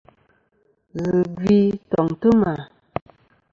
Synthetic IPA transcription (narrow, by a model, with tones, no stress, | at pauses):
ɣɨ˨ɡwi˦tɔ˨ŋtə˦ma˨